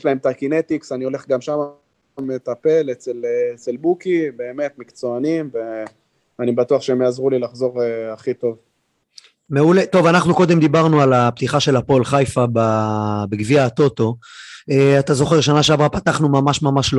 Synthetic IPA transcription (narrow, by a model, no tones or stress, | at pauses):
jeʃlaemt̪akinet̪iksanio̞le̞χɡamʃama | met̪ape̞let͡seleet͡selbukibe̞ːme̞t̪mikt͡soanimve | anibat̪uaχʃeemjaazʁulilaχzo̞ʁeaχit̪o̞v | me̞ulet̪o̞vanaχnuko̞d̪e̞md̪ibaʁnualapt̪iχaʃe̞lapo̞lχajfababeɡviat̪o̞t̪o̞eat̪azo̞χe̞ʁʃanaʃeavʁapat̪aχnumamaʃmamaʃlo